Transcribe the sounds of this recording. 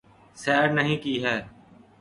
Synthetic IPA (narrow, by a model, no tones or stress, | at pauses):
sɛːɾnəɦĩːkiːɦɛː